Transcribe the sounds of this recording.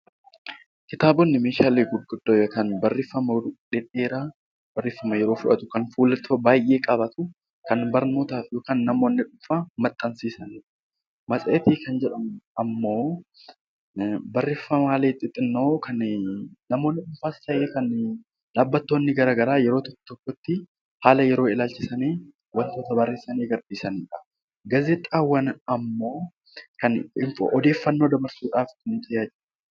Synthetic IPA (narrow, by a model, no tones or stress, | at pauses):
kɪt̪aːbɔnːɪmeːʃaːleːɡʊɡʊd̪̥ːoːɐkɐnbɐrːɪfːɐmɐᶑɛᶑe̞ːɾaː | bɐrːeːfːɐmɐjɛɾo̞ːfʊᶑɐ̰t̪ʊ̥kɐnfuːlɐt̪ːbaːjʔe̞ːkʼɐbɐt̪ʊ | kɐnbɐɾno̞ːt̪aːfjoːkaːnːɐmoːnːɪᶑʊmfaːmɐt̪ʼːɐnsiːsɐnː | mɐsʼeːt̪iːkɐnd͡ʒɛᶑɐmɐmːo̞ː | bɐrːeːfːɐmaːleːt̪ʼːɪt̪ʼːɪnːo̞ːkʰɐnnɐmo̞ːnːɪkʊɱfaːst̪ɐʔeːkɐn | laːbːɐt̪ːo̞ːnːɪɡɐɾaːɡɐɾaːjɛɾo̞ːt̪ɔkːɔ̥t̪ɔkːɔt̪ːɪ | haːlɐjɛɾo̞ːɪlaːlt͡ʃːɪsɐneː | wɐnt̪oːt̪ɐbɐrːeːsɐneːɡɐɾᶑiːsɐniːᶑɐ̥ | ɡɐzɛt̪ʼːaːwːɐnɐmːo̞ː | kɐnɪmfʔɔd̪e̞ːfːɐnːo̞ːd̪ɐbɐɾsuːᶑaːfknɪt̪ʼɪjaːt͡ʃ